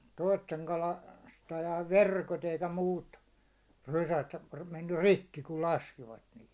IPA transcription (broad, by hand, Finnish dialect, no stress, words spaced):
toisteŋ kɑlɑ stɑjɑiʋ ʋerkot eikæ muːt rysæt menːyr̆ rikːi kul lɑskiʋɑt niːhi